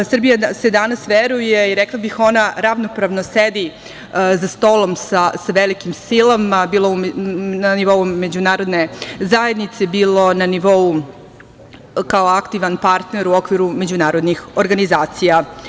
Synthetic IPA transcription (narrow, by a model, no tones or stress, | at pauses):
srbijased̪anasʋeɾuje̞iɾeklˠabixo̞naɾaʋnopɾaʋnosed̪i | zast̪o̞lˠo̞msasaʋelikimsilˠamabiːlˠounaniʋo̞ume̞d͡ʑunaːɾo̞d̪ne̞zae̞d̪nit̪sebiːlˠo̞naniʋo̞u | kaoakt̪iʋanpaɾt̪ne̞ɾuo̞kʋiɾume̞d͡ʑunaːɾo̞d̪nixo̞ɾɡanizaːt̪sija